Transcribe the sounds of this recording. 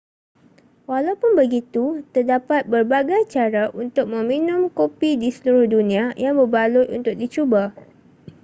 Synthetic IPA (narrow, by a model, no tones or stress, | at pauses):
walawpʊnbəɡit̪ut̪ərdapat̪̚bərbaɡajt͡ʃaɾaʔunt̪ʊk̚mə̃minʊ̃mkopidisəluɾʊhdunĩajaŋbərbalʊt̪unt̪ʊk̚dit͡ʃuba